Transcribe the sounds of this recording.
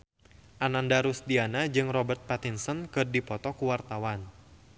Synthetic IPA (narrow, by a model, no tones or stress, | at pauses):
ʔanandaɾusdianad͡ʒɨŋrɔbərt̪̚pat̪insənkɨrdipɔt̪ɔkuwart̪awan